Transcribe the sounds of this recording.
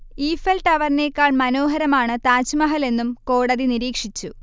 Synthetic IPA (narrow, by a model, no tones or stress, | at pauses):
iːfɐlʈɐʋɐrne̞ːkːaːɭmɐno̞ːɦɐɾɐmaːɳɨt̪aːt͡ɕumɐɦɐle̞nːumko̞ːɽɐðiniɾiːkʂit͡ɕːu